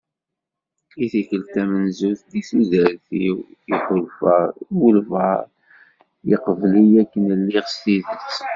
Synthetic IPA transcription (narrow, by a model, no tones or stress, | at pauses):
iθikəlt̪æmənzuθd̪isizɾθiwiħʊlfəwəlvəʁ | jəqəvlijækːənəlːiʁst̪iðət͡sː